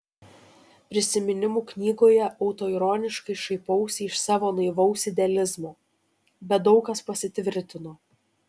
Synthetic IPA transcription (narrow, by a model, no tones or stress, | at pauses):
pʲɾʲɪsʲɪmʲɪnʲɪmuːknʲiːɡoːjɛʔɐʊt̪oːiɾoːnʲɪʃkɐɪʃɐɪpɐʊsʲɪʃsɑːʋoːnɐɪʋɐʊsʲɪd̪ʲɛlʲɪzmoː | bʲɛt̪̚d̪ɒʊkɐspɐsʲɪt̪ʲʋʲɪɾʲt̪ʲɪnoː